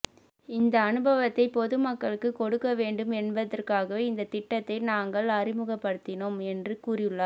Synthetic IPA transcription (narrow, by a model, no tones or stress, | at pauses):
ɪnd̪ɐːnɯbɐʋɐt̪ːɐɪpɔðɯmɐkːɐɭɯkːɯkɔɽɯkːɐʋeːɳɖɯmɛnbɐðɐrkaːɣɐʋeːɪnd̪ɐt̪ɪʈːɐt̪ːɐɪnaːŋɡɐɭɐrɪmɯɣɐpːɐɽɯt̪ːɪnoːmɛndrɯkuːrɪjɯɭːɐ